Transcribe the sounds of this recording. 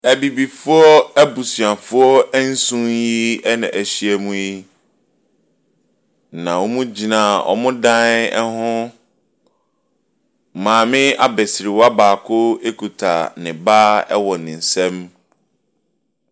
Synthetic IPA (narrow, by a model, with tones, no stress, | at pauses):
æ˨bi˨bi˨fʊ˦ɔ˦æ˦bu˨su˨ã˨fʊ˦ɔ˦ɛ˦n̩˦sũ˦nji˦ɛ˦nã˨ʔæ˨ɕi˦ɛ˦mũ˦ji˦ | nã˨wo˦mũ˦d͡ʑi˨nã˨ɔ̰˨mʊ̃˦dã˦nɛ˦hʊ̃˦˨ | mãː˨mɪ̃˦a˦bɛ˨sɪ˨ɾɪ˨wa˦baː˨kʰo˦e˦kʰu˨tʰa̰˨nɪ̃˨baː˦ɛ̰˦wɔ˨nɪ̃˨n̩˨sɛ̃˦m